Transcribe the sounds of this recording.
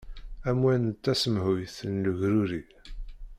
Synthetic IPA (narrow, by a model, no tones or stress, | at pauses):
æmwænt̪ːæsəmhujθənluʝɾuɾi